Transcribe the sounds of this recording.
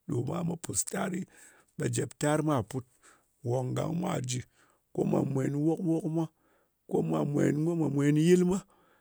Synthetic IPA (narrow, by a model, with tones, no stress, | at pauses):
ɗo˨ma˦ma˦pu˨sta˦ɾi˦ | ɓa˨d͡ʒe˨pta˦ɾma˦˨pu˦t̚ | wo˨ŋɡa̰˨ŋmʷa̰˦˨d͡ʒi˧ | ko̰˦ma̰˨mʷ˨e˨˦n˦wo˦kwo˦kmʷa˦ | ko˦ma˨mʷe˨˦n˦mʷo˦ma˨mʷe˨˦n˦ji˦lma˦